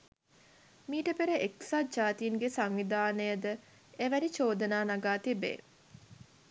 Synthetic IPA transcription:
miːʈəpeɾeʔeksad͡ʒaːt̪ijinɡesaŋʋid̪ʱaːnəjəd̪ə | eʋæɾit͡ʃoːd̪ənaːnaɡaːt̪ibḛ

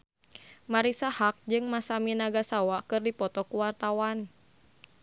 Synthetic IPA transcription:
maɾisahak̚d͡ʒɨŋmasaminaɡasawakɨrdipɔt̪ɔkuwart̪awan

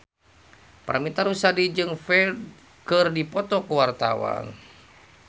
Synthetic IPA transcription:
paɾamit̪aɾusadid͡ʒɨŋfɛld | kɨrdipɔt̪ɔkuwart̪awa̰n

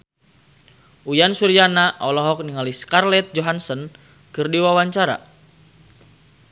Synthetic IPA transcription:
ujansuɾijanaʔɔlɔɦɔk̚niŋaliskarlɛt̪̚d͡ʒɔɦansɔn | kɨrdiwawaɲt͡ʃaɾa̰

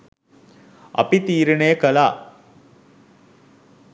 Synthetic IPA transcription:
ɐ̰pit̪iːɾɐnejəkɐlaː

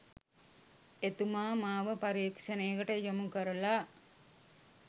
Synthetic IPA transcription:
et̪umaːmaːʋəpaɾiːkʂəneːkəʈəjomukəɾəla

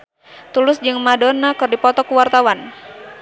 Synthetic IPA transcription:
t̪ulʊsd͡ʒɨŋmadɔnakɨrdipɔt̪ɔkuwart̪awan

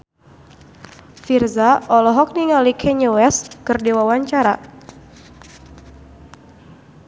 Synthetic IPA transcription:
firzaʔɔlɔɦɔk̚niŋalikʰɛɲuwɛskɨrdewawaɲt͡ʃaɾa̰

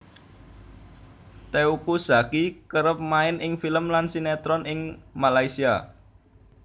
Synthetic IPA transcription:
t̪eukusa̤kikəɾəp̚maɪnɪŋfiləmlansinɛt̪ɾɔnʔɪŋmalaisia

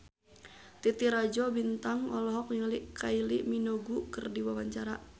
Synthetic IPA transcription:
t̪it̪iɾad͡ʒɔbint̪aŋɔlɔɦɔk̚nŋliʔkʰailiʔminɔɡukərdiwawaɲt͡ʃaɾa

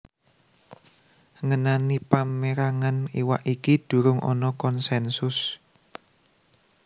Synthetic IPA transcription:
ŋənanipameɾaŋaniwaʔikid̪̥ṳɾʊŋʔɔ̰nɔkɔnsɛnsʊs

